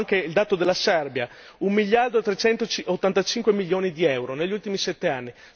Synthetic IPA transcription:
ŋkeild̪aːt̪od̪elːasɛrbja | ummiʎːard̪oet̪ɾet͡ʃɛnt̪ot͡ʃot̪ːant̪at͡ʃiŋkwemiljoːnid̪iɛwɾoneʎːult̪imisɛt̪ːeanːi

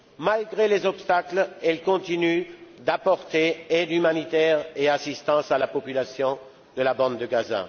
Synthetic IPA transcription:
malɡʁelezɔpst̪aklɛlkɔ̃t̪inyd̪apɔʁt̪eɛd̪ymanit̪ɛʁeasist̪ɑ̃salapɔpylasjɔ̃ | d̪əlabɑ̃d̪d̪əɡaza̰

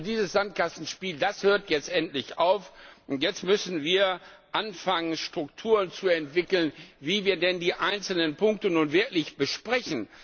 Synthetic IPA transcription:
diːzəsz̥ant̚kasn̩ʃpiːldashøːɐtjɛt͡stʔɛntlɪçaʊfʔʊntjɛt͡stmʏsn̩viːɐ | ʔanfaŋənʃtʁ̥ʊk̚tʰuːʁənt͡suɛntv̥ɪkl̩nviːviːɐdɛndiːʔaɪnt͡sl̩nənpʊŋk̚tənuːnvɪɐklɪçb̥əʃpʁ̥ɛçn̩

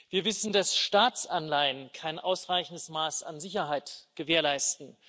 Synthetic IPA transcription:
viːɐvɪsn̩dasʃtaːt͡sanlaɪənkʰaɪnʔaʊsʁaɪçn̩dəsmaːsa̰nzɪçɐɦaɪtɡ̥əveːɐlaɪstn̩

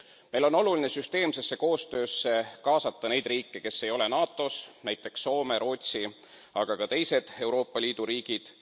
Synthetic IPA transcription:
me̞jlo̞nːo̞luline̞syst̪e̞ːmse̞sːe̞ko̞ːst̪ø̞ːsːe̞kɑːsɑt̪ːɑne̞jd̪riːkːeke̞sːe̞jo̞le̞nɑːt̪ːˑo̞snæjt̪ˑːe̞ksːo̞ːme̞ɾo̞ːt̪ʲsi | ɑɡ̥ɑkɑt̪e̞jse̞d̪̥e̞wɾo̞ːpːˑɑlʲiːd̪̥uɾiːɡ̥id̪̥

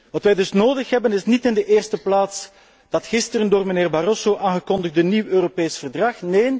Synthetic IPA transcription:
ʋɑtʋɛjdɵsnoːdəxɦɛbənɪsnitɪndəʔeːrstəplaːts | d̥ɑtxɪstəɾəndoːrməneːrbarosoːʔaːnɣəkɔndəɣtəniwøːropeːsfərdrɑxneːn

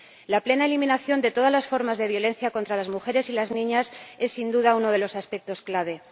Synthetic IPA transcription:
laple̞naelimĩnaθjo̞nd̪e̞t̪o̞ð̞azlasfo̞ɾmazðe̞β̞jo̞le̞n̟θjako̞nt̪ɾalazmuxe̞ɾe̞silaznĩɲase̞sːind̪uðauno̞ðe̞lo̞saspe̞k̚t̪o̞sklaβ̞e̞

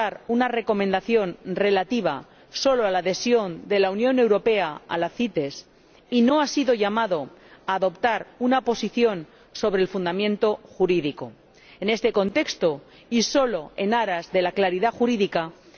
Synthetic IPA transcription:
aɾunare̞ko̞mẽ̞nd̪aθjo̞nre̞lat̪iβ̞a | so̞loalaðe̞sjo̞nd̪e̞launjõ̞ne̞wɾo̞pe̞aa̰laθit̪e̞s | ino̞asiðo̞ʝamaðo̞ | aːðo̞pt̪aɾunapo̞siθjo̞n | so̞βɾeːlfund̪amjẽ̞nt̪o̞xuɾiðiko̞ | ene̞st̪e̞ko̞nt̪e̞kst̪o | iso̞lo̞e̞̰naɾazðe̞laklaɾiðaxuɾiðika

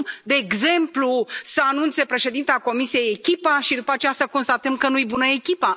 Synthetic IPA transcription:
d̪e̞ːɡze̞mplusəanunt̪se̞pɾe̞ʃe̞d̪int̪eako̞misije̞je̞kʲipaʃid̪upat͡ʃe̞jasəko̞nst̪at̪əmkənujbunəekʲipa

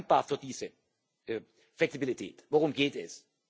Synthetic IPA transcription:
ŋ̚b̥aːɐfyɐdiːz̥ə | ʔɛ | flɛksibilitʰɛ̰ːtvoʁʊmɡeːtɛs

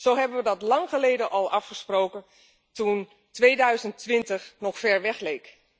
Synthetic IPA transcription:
z̥owɦɛbənʋədɔtlɑŋxəlejdəʔɔlˠʔɑfχəsprowkə | tun | tʋeːdœɥzəntʋɪntəxnɔxfɛɹʋɛxleːk

